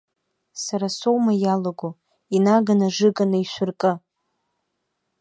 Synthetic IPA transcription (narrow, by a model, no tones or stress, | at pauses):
saɾasowmajalaɡo | inaɡanaʐɨɡanaiʃʷʊrkʼɨ